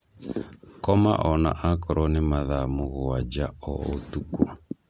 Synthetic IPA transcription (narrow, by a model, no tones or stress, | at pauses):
kɔma̰ʔɔna̰ʔakɔɾʔɔnɪmaðamʊɣɔwad͡ʒaɔɔtuku